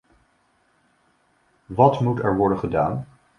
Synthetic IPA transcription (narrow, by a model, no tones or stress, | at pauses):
ʋɑtmutɛɹʋɔɹdənχədaːn